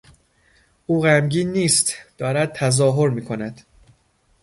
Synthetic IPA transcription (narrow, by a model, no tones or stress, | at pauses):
ʔuːɣæmɟiːnːiːst̪d̪̥ɒːɾæd̪̚t̪ʰæzɒːɦoɾmiːkʰo̞næd̪̥